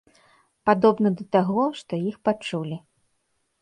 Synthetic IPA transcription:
pad̪ɔbnɐd̪ɐt̪aɣɔʂt̪ɔjixpat͡ʂulʲi

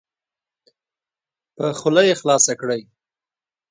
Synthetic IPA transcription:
pəxʊlajexlɑsakɽəj

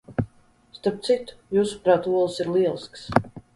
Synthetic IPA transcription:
st̪aɾp̚t̪sit̪u̥juːsu̥pɾaːt̪uɔlˠsiɾlˠiɛlˠsks

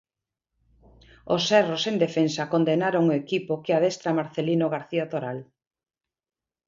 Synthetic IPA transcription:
osɛrosend̪efensɐkond̪enaɾoŋoekipokeaðest̪ɾamaɾθelinoɣaɾθiat̪oɾal

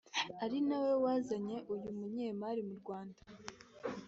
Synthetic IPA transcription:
aɾinawe̞waːzaɲe̞ʔujumuɲeːmaɾimuɾɡwaːndḁ

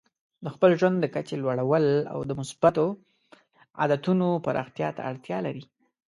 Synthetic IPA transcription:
d̪əxpəlʒwand̪ːəkat͡ʃelwaɽawəla̰wd̪əmʊsbat̪o | a̰d̪at̪unopaɾʔɑ̰xt̪jɑt̪a̰ːɽt̪jɑlaɾi

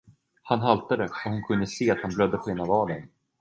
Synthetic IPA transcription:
hanɦalt̪ad̪əɔhʊnkʰɵnd̪əseːat̪hanblœd̪ːəpʰɔheːnavɑːlən

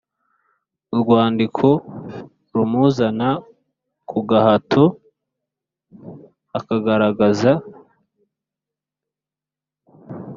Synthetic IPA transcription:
uɾɡwaːndikʰo̞ | ɾumuzana | kʰuɡahatʰo | akaɡaɾaɡaza

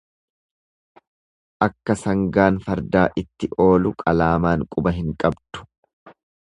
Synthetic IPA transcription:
ʔɐkːɐsɐŋɡaːnfɐɾd̪aːʔɪt̪ːɪʔo̞ːlʊkʼɐlaːmaːŋkʼʊbɐɦɪŋkʼɐbd̪̥ʊ̥

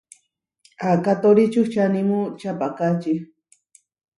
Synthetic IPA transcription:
akat̪oɾit͡ʃuxt͡ʃanimut͡ʃapakat͡ʃi

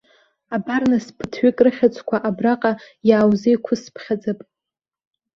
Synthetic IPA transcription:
abarnɨspʰɨtʰɥɪkʼrɨχʲat͡sʷʰʼkʷʰaʔabraqʼa | jaːwzejkʷʰʊspʰχʲad͡zapʼ

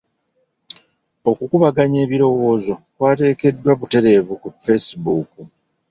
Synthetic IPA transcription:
o̞kukuβaɡaɲe̞ːβiɾo̞wo̞ːzo̞kwaːte̞ːke̞dːwaβute̞ɾe̞ːvukufe̞sibuːku

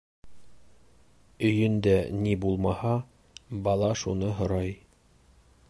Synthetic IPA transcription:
ɵ̆jɵnd̪ænibulˠmɑhɑ | bɑlˠɑʃunɤɦŏɾɑj

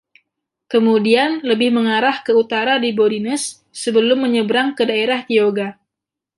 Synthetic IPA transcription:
kəmudianləbɪhməŋaɾahkəut̪aɾadiboɾinəsː | əbəlʊmːəɲəbɾaŋkədaeɾaht̪ioɡa

